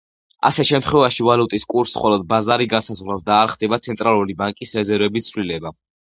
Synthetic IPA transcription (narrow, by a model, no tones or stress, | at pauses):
a̰sɛʃɛmt̪χwɛvaʃivalut̪ʼiskʼuɾsχɔlɔd̪̚bazaɾiɡansazʁɾlasd̪aːɾχd̪ɛbat̪sʰɛnt̪ʼɾalˠulibaŋkʼisɾɛzɛɾvɛbist̪sʰvlilɛba